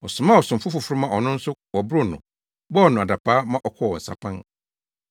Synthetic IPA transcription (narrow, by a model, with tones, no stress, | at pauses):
ɔ˨sʊ˨mã˦˨ɔ˨sʊ̃˨m̩˨fʊ˦fʊ˨fʊ˦ɾʊ˦mã˦˨ɔ˨nʊ̃˦n̩˦sʊ˦wɔ˨bɾʊ˦˨nʊ̰̃˨ | bɔː˦˨nʊ̃˨a˨da˨pʰaː˦mã˦ʔɔ˦˨kʰɔ˦˨ɔ˨n̩˨sa̰˨pʰã˦ŋ